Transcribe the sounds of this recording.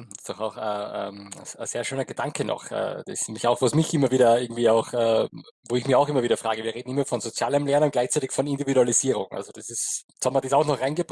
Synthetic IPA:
ɪstd̥ɔχaʊxəɛ̰ːə̰ə̰seːɐʃøːnɐɡ̥əd̥aŋkʰənɔ̰xɛ̰ːd̥ɛsmɪçaʊxvosmɪçʔɪmɐviːdɐɪɐɡŋ̩tv̥iːaʊxɛː | voːɪçmɪçaʊxɪmɐviːdɐfʁ̥aːɡəviɐʁeːdn̩ɪmɐfɔnzot͡sjaːləmlɛɐnʊnt̚ɡlaɪçt͡saɪtɪçfɔnɪndividualiziːʁʊŋʔa̰lzod̥asɪs | shabmɐdiːsaʊxnɔχʁaɪnɡəbʁ

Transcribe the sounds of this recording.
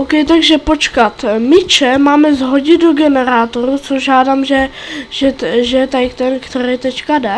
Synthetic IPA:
ʔowkɛjt̪aɡʒɛpo̞t͡ʃkat̪mɪt͡ʃɛmaːmɛzɦo̞ɟɪdoɡɛnɛɾaːt̪oɾut͡soʒʒaːdaːmʒɛ | ʒɛʒɛt̪ajkt̪ɛnkt̪ɛɾɛjt̪ɛt͡ʃkadɛ

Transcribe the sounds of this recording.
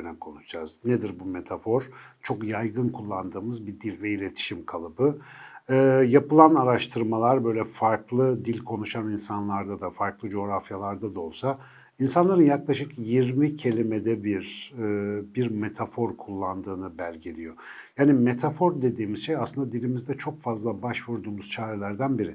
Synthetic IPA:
ønɛmkʰo̞nuʃd͡ʒaz̥ned̪iɾbume̞t̪ʰafo̞ɾ̥t͡ʃʰo̞kjajɡɯnkʰulˠːand̪ɯːmɯzbid̪ilʲvɛilʲe̞t̪ʰi̥ʃimkʰalˠɯbɯː | japɯlˠanaɾaʃt̪ʰɯɾmalˠaɾbø̞jlʲɛfaɾklˠɯd̪ilʲkʰo̞nuʃaninsanlˠaɾd̪ad̪afaɾklˠɯd͡ʒo̞ːɾafjalˠaɾd̪ad̪aolˠsa | insanlˠaɾɯnjaklˠaʃɯkjiɾmicʰe̞lʲimed̪ɛbiɾ | biɾme̞t̪ʰafo̞ɾkʰulˠːand̪ɯːnɯbælʲɟelʲijo̞jaːnime̞t̪ʰafo̞ɾd̪e̞d̪iːmizʃejasɯnd̪ad̪ilʲimizd̪ɛt͡ʃʰo̞kfazlˠabaʃvuɾd̪uːmuz̥t͡ʃʰaːɾɛlʲæɾd̪ænbiɾɪ

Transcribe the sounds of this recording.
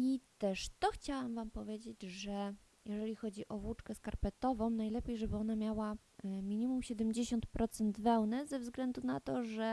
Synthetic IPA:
it̪ɛʂt̪ɔxt͡ɕawamvampɔvʲjed͡ʑed͡ʑʐɛ | jʔɛʐɛlʲixɔd͡ʑiʔɔvwut͡ʂkɛskaɾpɛt̪ɔvɔ̃w̃najlɛpʲjejʐɛbɘɔnamʲjawa | mʲiɲʲimumɕɛd̪ɛmd͡ʑeɕɔnt̪pɾʔɔt̪sɛnd̪vɛwnɛzɛvzɡlɛnd̪unat̪ɔʐɛ

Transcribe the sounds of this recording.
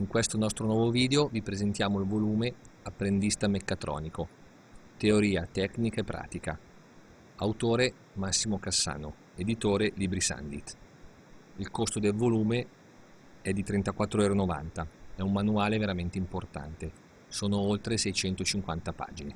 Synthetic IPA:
iŋkwest̪onɔst̪ɾonwɔːvoviːd̪eovipɾezent̪jaːmoilvoluːmeapːɾend̪ist̪amekːat̪ɾɔ̰ːniko | t̪eoɾiːat̪ɛknikaepːɾa̰ːt̪ika | awt̪oːɾe | masːimokasːa̰ːno̰ | ed̪it̪oːɾelibɾisa̰nd̪it̪ | ilkost̪od̪elvoluːme | ɛd̪ːit̪ɾent̪akwat̪ːɾoɛːɾonova̰nt̪aɛumːanuaːleveɾament̪eimport̪a̰nt̪e | soːnoolt̪ɾesɛjt͡ʃɛnt̪ot͡ʃiŋkwant̪apa̰ːd͡ʒine

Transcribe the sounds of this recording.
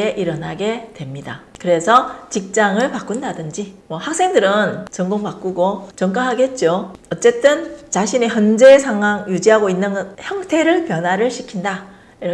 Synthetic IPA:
eʔiɾʌnɦaɡe̞twe̞mɲidakɯɾe̞sʰʌt͡ɕik̚t͡ɕ͈aŋɯɭpak͈undadɯnd͡ʑimwʌhak̚s͈e̞ŋdɯɾɯnt͡ɕʌŋɡoŋpak͈uɡot͡ɕʌŋk͈aɦaɡet̚t͡ɕ͈oʌt͡ɕ͈e̞t͈ɯnt͡ɕaɕʰiniçjʌnd͡ʑe̞sʰaŋwaŋjud͡ʑiɦaɡoinːɯnçjʌŋtʰe̞ɾɯɭpjʌnwaɾɯɭɕʰi̥kʰinda | iɾʌ

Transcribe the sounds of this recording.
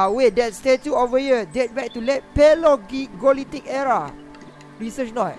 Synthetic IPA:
wedɛt̚stetuovəhiədɛt̚bɛk̚tulɛt̚pɛlɔɡiɡolitik̚ɛɹa | ɹisət͡ʃnɔt̚

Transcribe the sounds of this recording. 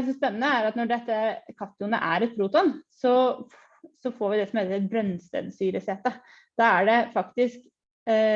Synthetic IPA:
sɔspɛnːənəæɾɑt̪nɔɖɛt̪ːəkʰɑt̪ːʊnə̰ʔæ̰ɾɛt̪pʰɾuːt̪ɔnsɔ | sɔfoːɾʋɪd̪ɛsɔmhɛːləɾɛt̪bɾœnst̪ɛ̰d̪syːɾəsɛt̪ːə | d̪̥ɑæɖɛfɑkt̪ɪsk

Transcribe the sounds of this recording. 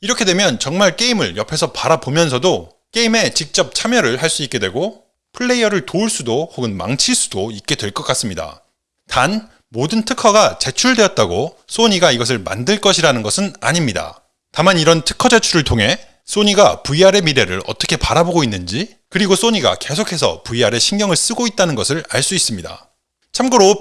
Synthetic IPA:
iɾʌkʰe̞dwe̞mjʌnt͡ɕʌŋmaɭk͈eimɯɭjʌpʰe̞sʰʌpaɾabomjʌnsʰʌdo | k͈e̞ime̞t͡ɕik̚t͡ɕ͈ʌp̚t͡ɕʰamjʌɾɯɭɦaɭs͈uik͈e̞dwe̞ɡo | pʰɯɭːe̞jʌɾɯɭtouɭs͈udohoɡɯnma̰ŋt͡ɕʰiɭs͈u̥doik̚k͈e̞dwe̞ɭk͈ʌk͈as͈ɯmɲida̰ | tan | modɯntʰɯkʰʌɡat͡ɕe̞t͡ɕʰuɭdwe̞ʌt̚t͈aɡo | s͈oɲiɡaiɡʌs̬ʰɯɭma̰ndɯɭk͈ʌɕʰiɾanɯnɡʌsʰɯna̰ɲimɲida̰ | tamaniɾʌntʰɯ̥kʰʌd͡ʑe̞t͡ɕʰuɾɯɭtʰoŋɦe̞ | s͈oɲiɡapuiaɾe̞miɾe̞ɾɯ̰ɾʌ̰t͈ʌkʰe̞paɾaboɡoinːɯnd͡ʑi | kɯɾiɡos͈oɲiɡa̰ke̞s̬ʰokʰe̞sʰʌ̰puiaɾe̞ɕʰiŋɡjʌŋɯɭs͈ɯɡoit̚t͈anɯnɡʌsʰɯɾaɭs͈uis͈ɯmɲida̰ | t͡ɕʰamɡɯɾo

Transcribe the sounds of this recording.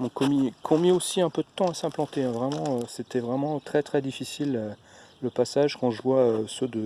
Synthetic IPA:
ɔ̃kɔ̃mikʰɔ̃miosiɛ̃pød̪ət̪ɑ̃asɛ̃plɑ̃t̪ẽvʁɛmɑ̃øset̪ɛvʁɛmɑ̃t̪χɛt̪χɛd̪ifisiløːəpasaʒkɑ̃ʒəvwaøsød̪ə

